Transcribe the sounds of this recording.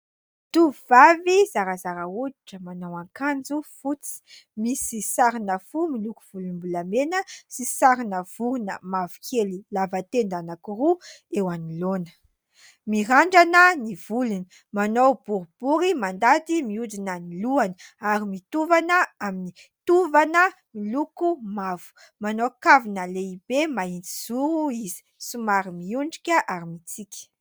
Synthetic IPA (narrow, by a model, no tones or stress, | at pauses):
t̪uvivavizaɾazaɾauiʈ͡ʂəmanowaŋkand͡zufut͡si̥misisaɾinəfumiluku̥v̥ulumbulamenəsisaɾinəv̥uɾunə̰mavu̥kʰelilavat̪end̪anakuruewanilonə̥ | miɦaɳɖ͡ʐanəniv̥uluni̥ | manowbuɾub̥uɾimand̪at̪imiud͡zinaniluaniaɾimit̪uvanəamini | t̪uvanə | milukumavu̥ | manowkavinəleibemaind͡ziz̥uɾuizi̥sumaɾimiuɳɖ͡ʐikʲəʔaɾimit͡sikʲi̥